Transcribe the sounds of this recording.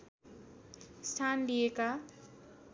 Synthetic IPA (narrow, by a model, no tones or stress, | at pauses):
sʈʰanlijeka